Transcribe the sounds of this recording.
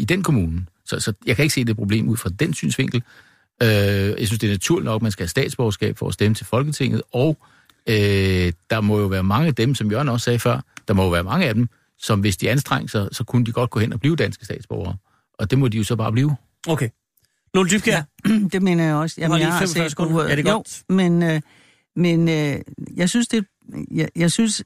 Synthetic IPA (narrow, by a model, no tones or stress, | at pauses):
id̥enkʰo̝muːnəsɒ̽sɒ̽jɑ̈ɪkʰæe̝ɡ̥se̝̰ːd̥e̝pʰʁo̝ble̝̰ːmuð̰ˠfʁɑ̈d̥ensy̰ːnsʋe̝ŋ̰ɡ̥l̩ | øjɑ̈ɪsynsd̥e̝ːɐnæt͡sʰuɐ̰linɒ̽ɡ̥̚mænsɡ̥æhæsd̥ɛ̰ːd̥sb̥ɒʊɐsɡ̥ɛ̰ːb̥fɒ̽sd̥emət͡sʰe̝lfɒ̽lɡ̥ət͡sʰe̝ŋ̰ð̞̩ˠɒʊ | ød̥ɑ̈mɒ̽jo̝ʋæːɐmɑ̈ŋəæd̥emsɒ̽mjœɐ̰nɒ̽ssɛːfɶɐ̰d̥ɑ̈mɒjo̝ʋæːɐmɑ̈ŋəæd̥em | sɒ̽mʋe̝sd̥iænsd̥ʁɑŋ̰əsɑsɒ̽kʰunəd̥iɡ̥ɒ̽d̥̚ɡ̥ɔ̽henɒ̽b̥liːʊd̥ænsɡ̥əsd̥ɛ̰ːd̥sb̥ɒʊɐː | ʔɒ̽d̥e̝mɒ̽d̥ijo̝sɒ̽b̥ɑ̈ːb̥liːʊ | okʰe | nold̥ybɡd̥e̝me̝̰ːnɐjɑ̈ɒ̽səjaɑ̈esʰde̥o̰menø | menøjɑ̈ɪsynsd̥e̝ | jjɑ̈ɪsyns